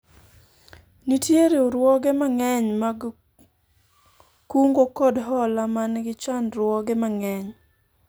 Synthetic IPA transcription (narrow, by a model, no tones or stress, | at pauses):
nitjeɾioɾwɔɡemaŋɛɲmaɡ | kuŋɡokɔdɦɔlamanɡɪt͡ʃanɾwɔɡɛmaŋɛɲ